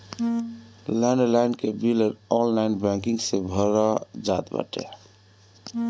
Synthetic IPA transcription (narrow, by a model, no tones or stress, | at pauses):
lənɖlaɪnkebiləɾɔnlainbɛ̃ŋkĩŋɡsebʱəɾɔd͡ʒat̪bə̰ʈḛ